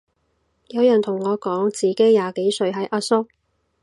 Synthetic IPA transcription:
jɐ˨˧wjœː˨˩ŋt̪ʰʊ˨˩ŋːɔː˨˧kɔː˨˥ŋt͡siː˨ke˨˥jjaː˨ke˨˥jsɵ˨˧ɥɦɐ˨˥jʔaː˧˥sʊ˥k̚

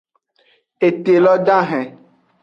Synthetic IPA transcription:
e˨te˨lɔ˦dã˦ɦɛ̃˨

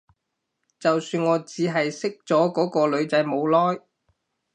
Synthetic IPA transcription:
t͡sɐ˨wsyː˧nŋɔː˨˧t͡siː˨˥ɦɐ˨jsɪ˥k̚t͡sɔː˨˥kɔː˨˥kɔː˧lɵ˨˧ɥt͡sɐ˨˥jmo˨˧wlɔː˥j

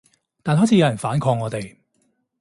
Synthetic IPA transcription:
t̪aː˨nɦɔː˨˥t͡sʰiː˧˥jɐ˨˧˥jɐ˨˩nfaː˨˥nkʰɔː˧ŋːɔː˨˧t̪e˨j

